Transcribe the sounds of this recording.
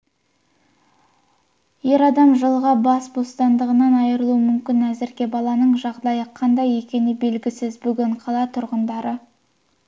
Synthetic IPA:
je̞ɾɑd̪ɑmʒəlˠʁɑbɑsbo̞st̪ɑnd̪əʁənɑnɑjəɾəlˠuəmʏmkʲɪnæzɪɾɡʲe̞bɑlˠɑnəɴʒɑʁd̪ɑjəqʰɑnd̪ɑje̞kʲe̞nɪbe̞lɡʲɪsɪzbʏɡʲɪɴqʰɑlˠɑt̪ʰʊɾʁənd̪ɑɾə

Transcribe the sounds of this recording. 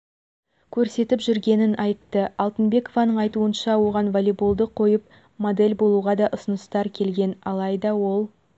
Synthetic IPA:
kʲʰɵɾse̞t̪ɪpʒʏɾɡʲe̞nɪnʔɑjt̪ːəɑlˠt̪ənbe̞ko̞vɑnəɴɑjt̪uənʃɑwo̞ʁɑnvolʲebulˠd̪əqʰːo̞jəp̚ | mod̪e̞lʲbo̞lˠuʁɑd̪ɑʔʊsənəst̪ɑɾkʲʰe̞lɡʲe̞nɑlˠɑjd̪ɑwo̞lˠ

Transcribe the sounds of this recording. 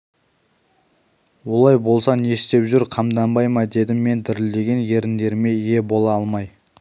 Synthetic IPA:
wo̞lˠɑjbo̞lˠsɑne̞st̪e̞pʒʏɾqʰɑmd̪ɑmbɑjmɑd̪e̞d̪ɪmːe̞nd̪ɪɾɪld̪e̞ɡʲe̞nje̞ɾɪnd̪e̞ɾɪme̞ije̞bo̞lˠɑɑlˠmɑj

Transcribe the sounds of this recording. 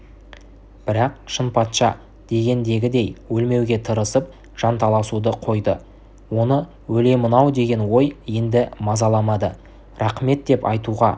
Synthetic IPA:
b̥ɪɾɑqʃənpɑt̪ʃɑ̰ | d̪̥e̞ɡʲe̞nd̪e̞ɡʲɪd̪e̞jwɵlme̞wɡʲe̞t̪ʰəɾəsəp̚ | ʒ̥ɑnt̪ʰɑlˠɑsud̪əqʰo̞jd̪ə | wo̞nə | wɵle̞mənɑwd̪e̞ɡʲe̞nwo̞jje̞nd̪ɪmɑzɑlˠɑmɑd̪ə | rɑqme̞t̪̚d̪e̞pɑjt̪uʁɑ

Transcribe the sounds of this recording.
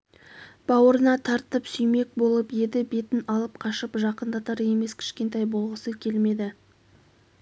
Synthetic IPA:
b̥ɑwəɾənɑt̪ʰɑɾt̪əpsʏjme̞k̚bo̞lˠəpje̞d̪ɪbe̞t̪ɪnɑlˠəp̚qʰɑʃəpʒɑqənd̪ɑt̪ɑɾe̞me̞skʲʰɪ̥ʃkʲe̞nt̪ɑjbo̞lˠʁəsəkʲʰe̞lme̞d̪ɪ

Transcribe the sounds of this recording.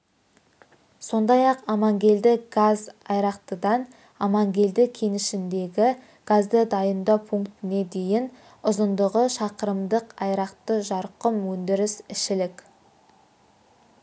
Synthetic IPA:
so̞nd̪ɑjɑqɑmɑŋɡʲe̞ld̪ɪɡ̥azɑjɾɑqt̪əd̪ɑn | ɑmɑŋɡʲe̞ld̪ɪkʲʰe̞nɪʃɪnd̪e̞ɡʲɪ | ɡ̥azd̪əd̪ɑjənd̪ɑpʰuŋkt̪ɪne̞d̪e̞jɪn | ʊzənd̪əʁəʃɑqəɾəmd̪əqɑjɾɑqt̪əʒɑɾqəmwɵnd̪ɪɾɪsɪʃɪlɪk

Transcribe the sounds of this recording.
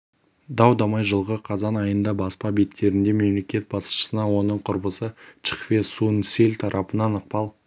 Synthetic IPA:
d̪ɑwd̪ɑmɑjʒəlˠʁəqʰɑzɑnɑjənd̪ɑbɑspɑbe̞t̪kʲe̞ɾɪnd̪e̞me̞mle̞kʲe̞t̪̚bɑsə̥ʃə̥sənɑwo̞nəɴqʰʊɾbəsət͡ʃə̥χfesunselʲt̪ʰɑɾʔɑpənɑnəq̚pɑlˠ

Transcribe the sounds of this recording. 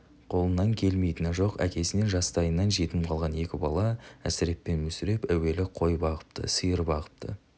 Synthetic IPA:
qʰo̞lˠənːɑŋkʲʰe̞lme̞jt̪ɪnɪʒo̞qæ̰kʲe̞sɪne̞nʒɑst̪ɑjənːɑnʒe̞t̪ɪmqʰɑlˠʁɑne̞kʲɪbɑlˠɑæ̰sɪɾe̞p̪̚pːe̞nmɵsɪɾe̞pæwe̞lɪqʰo̞jbɑʁə̥p̚t̪ʰə̰səjəɾbɑʁə̥p̚t̪ʰə̰

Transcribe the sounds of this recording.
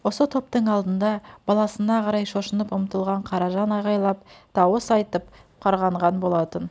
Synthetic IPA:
wo̞sət̪ʰo̞p̚t̪əɴɑlˠd̪ənd̪ɑb̥ɑlˠɑsənɑqʰɑɾɑjʃo̞ʃənəpʊmt̪əlˠʁɑɴqʰɑɾɑʒɑnɑjʁɑjlˠɑp̚t̪ʰɑwəsɑjt̪əp̚qʰɑɾʁɑɴʁɑnbo̞lˠɑt̪ən

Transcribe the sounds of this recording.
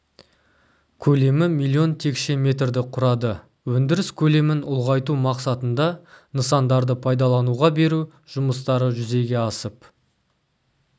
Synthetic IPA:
kʲʰɵle̞mɪmijlʲˠːio̞nt̪ʰe̞kʃe̞mʲe̞t̪rd̪ɪqʰʊɾɑd̪ə | wɵnd̪ɪɾɪskʲʰɵle̞mɪnʊlˠʁɑjt̪umɑqsɑt̪ənd̪ɑnəsɑnd̪ɑɾd̪əpʰɑjd̪ɑlˠɑnuʁɑbe̞ɾu | ʒ̥ʊməst̪ɑɾəʒʏze̞ɡʲe̞ɑsəp

